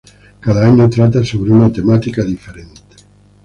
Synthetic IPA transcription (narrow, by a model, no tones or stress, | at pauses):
kaðaaɲot̪ɾat̪̬asoβɾeuŋat̪emat̪ikaðifeɾent̪e̥